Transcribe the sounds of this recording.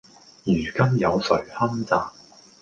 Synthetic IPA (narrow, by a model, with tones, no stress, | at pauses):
jyː˨˩kɐ˥mjɐ˨˧wsɵ˨˩ɥhɐ˥mt͡saː˨